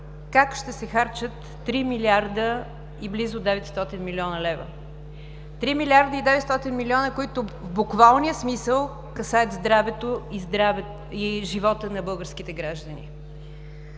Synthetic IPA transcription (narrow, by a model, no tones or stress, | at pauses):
kakʃt̪ɛsɛxaɾt͡ʃət̪ːɾimiliaɾd̪ə | iblizʊd̪ɛvɛt̪st̪ɔt̪inmiliɔnəlɛvə̰ | t̪ɾimilʲiaɾd̪əid̪ɛvɛt̪st̪ɔt̪inmiliɔnəkʊit̪ʊ | vbʊkvalˠniəsmisəlˠ | kɐsaət̪zd̪ɾavɛt̪oizd̪ɾavɛ | iʒivɔt̪ənɐbɤlˠɡəɾsk̟it̪ɛɡɾaʒd̪ənḭ